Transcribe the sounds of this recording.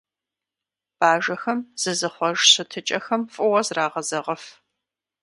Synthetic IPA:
b̥aːʒɐxɐmz̥ɨzɨχʷɔʒɕɨtʰɨt͡ʃʼɐxɐmfʼʊwɐzraːʁɐzɐʁɐf

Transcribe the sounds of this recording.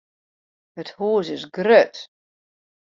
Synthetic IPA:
həthuːs̬ɪsɡrøt

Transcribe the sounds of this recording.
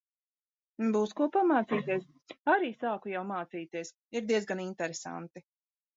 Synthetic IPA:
buːskuɔpamaːt̪siːt̪iɛs | aɾiːsaːkujawmaːt̪siːt̪iɛs | iɾd̪iɛzɡanint̪ɛɾesa̰nt̪i

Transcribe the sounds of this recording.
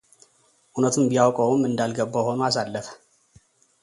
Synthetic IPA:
ʔunət̪ʰumbijawkʼəwmːɨnd̪alɡəbːaho̞nuasalːəfə̥

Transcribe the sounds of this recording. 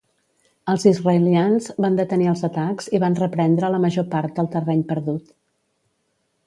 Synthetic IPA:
əlˠzizrəjlianzβand̪ət̪əniəlˠzət̪akz̥iβanrəpɾɛnd̪ɾələməʒopaɾt̪̚d̪əlˠt̪ərɛɲpəɾðut̪

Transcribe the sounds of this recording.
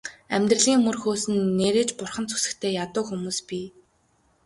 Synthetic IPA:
æmʲt̪rə̆ɮɣiːŋmɵrxoːsɘ̆nːeːɾeːt͡ɕpʊrχə̆nt͡sʰu̥sɘ̆kt̪ʰeːjat̪ʊːxumuːspiː

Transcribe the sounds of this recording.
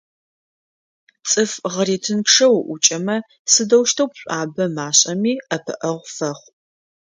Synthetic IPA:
t͡sʼɨfʁəɾeːtʰɨnkʂɐwʔʷʊt͡ʃʼɐmɐ | sɨdɐwʃtʰɐwpɕʷʼaːbɐmaːɕʼɐmiːɐpʰɨ̰ʔɐʁʷfɐχʷ

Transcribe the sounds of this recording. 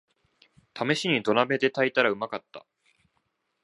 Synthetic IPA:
t̪ʰame̞ɕiɲ̟id̪o̞nabe̞d̪e̞t̪ait̪aɾaɯ̟makat̪ːa̰

